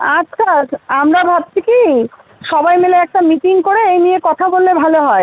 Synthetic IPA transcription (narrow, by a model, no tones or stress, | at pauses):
at͡ɕkʰaamɾabʱab̚t͡ɕʰiki | ʃɔbajmeleɛk̚ʈamiʈiŋkoɾeejniekɔt̪ʰabolːebʱaloɦɔe